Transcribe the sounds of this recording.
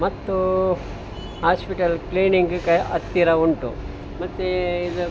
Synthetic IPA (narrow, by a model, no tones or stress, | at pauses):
mɐt̪ːu | haːspiʈɐlkliːniŋɡkɐʔɐt̪ːiɾɐuɳʈṵ | mɐt̪ːeid̪u